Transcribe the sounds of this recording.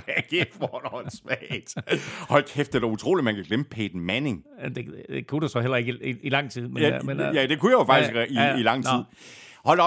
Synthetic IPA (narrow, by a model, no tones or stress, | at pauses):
ɡ̥efɒnɒsʋɛd̥hɒ̽lkʰefd̥əd̥ɐut͡sʰʁo̝̰ːli̥mænkʰæɡ̥lem̥̚pʰeːd̥n̩mæne̝ŋæd̥e̝d̥ekʰud̥esɒ̽ɦel̰ɐe̝ɡ̥əiilɑ̈ŋ̰t͡sʰið̰ˠmenmenjæd̥e̝kʰujæjofɑ̈ɡ̥ise̥iilɑ̈ŋ̰t͡sið̰ˠ | hɒ̽l̰